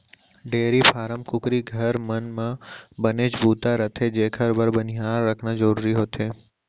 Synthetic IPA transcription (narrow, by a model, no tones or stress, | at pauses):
ɖeɾipʰaːɾəmkʊkɾiɡʱəɾmənmãbəned͡ʒbut̪aɾət̪ʰed͡ʒekʰəɾbəɾbənijaɾːəkʰnad͡ʒəɾuːɾiɦot̪ʰe